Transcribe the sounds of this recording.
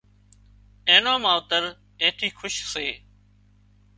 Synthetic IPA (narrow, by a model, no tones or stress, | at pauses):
ẽːnãːmãːʊt̪əɾ | ẽːt̪ʰiːxʰʊʃseː